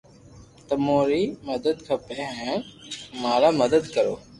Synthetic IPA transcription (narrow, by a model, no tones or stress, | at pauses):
t̪əmoːɾiːməd̪əd̪̚kʰəpẽːɦɛ̃ːmaːɾaːməd̪əd̪kəɾoː